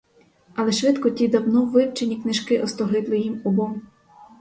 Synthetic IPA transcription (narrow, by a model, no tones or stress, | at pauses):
ɐlˠɛʃʋɪt̪kɔtʲid̪ɐwnɔʋɪwt͡ʃenʲiknɪʃkɪʔɔst̪ɔɦɪb̪lˠɪjimubɔm